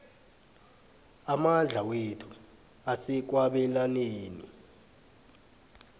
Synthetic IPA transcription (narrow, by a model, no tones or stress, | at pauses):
amand͡ɮʱawetʰu | asɛk̬waɓɛlaneːnḭ